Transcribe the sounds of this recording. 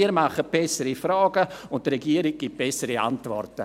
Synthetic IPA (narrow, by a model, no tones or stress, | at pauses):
iːəɾmaχət̚b̥ɛsəɾifɾaːɡəʊntd̥əɾɛɡiːəɾik̚ɡ̥ip̚b̥ɛsːəɾia̰ntvɔ̰rtə